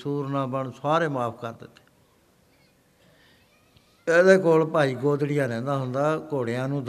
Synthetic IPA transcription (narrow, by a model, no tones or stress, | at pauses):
suːɾnãːbəɳsaːɾeːmaːpʰkəɾd̪ɪ̰t̪ːe̥ː | ed̪eːkoːlpaːiːɡoːd̪ɽɪjãːnɛ̃ːnd̪aːɦʊnd̪aːkoːɽeãːnũːd̪